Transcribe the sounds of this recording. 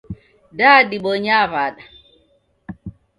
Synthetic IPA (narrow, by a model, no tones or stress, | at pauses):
dadiɓɔɲaβaɗa